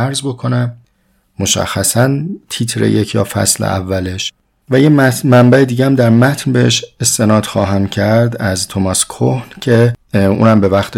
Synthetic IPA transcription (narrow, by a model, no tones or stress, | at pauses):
æɾzbo̞kʰo̞næmː | o̞ʃæ̰xːæsænt̪ʰit̪ʰɾḛjecʰjɒ̰ːfæ̰slḛʔæ̰vːæle̞ʃ | væjemæmæmbæed̪iːɟeæmd̪æɾmæt̪ʰnbeheʃest̪e̞nɒːd̪xɒːɦæmcʰæɾd̪æzt̪ʰomɒskʰohncʰe̞ṵːnæmbe̞væxt̪ʰ